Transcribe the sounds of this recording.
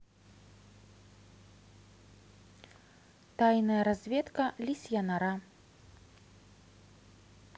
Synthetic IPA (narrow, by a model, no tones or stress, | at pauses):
t̪ajnɐjɐɾazʲvʲɛt̪kɐlʲisʲjanaɾa